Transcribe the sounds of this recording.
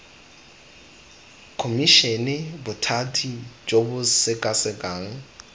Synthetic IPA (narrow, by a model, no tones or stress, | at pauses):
kʰomiʃɛnɛbʊtʰatʰid͡ʒʼobʊsɪkʼasɪkʼaːŋ̩